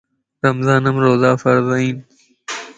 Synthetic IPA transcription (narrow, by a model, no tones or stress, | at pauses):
ɾɐmzaːnɐmɾoːzaːfɐɾzɐiːn